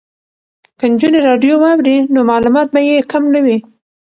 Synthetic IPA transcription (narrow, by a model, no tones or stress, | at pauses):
kənd͡ʒuneɾɑɖjowɑwɾinomɑlumɑt̪̚bajekamlawi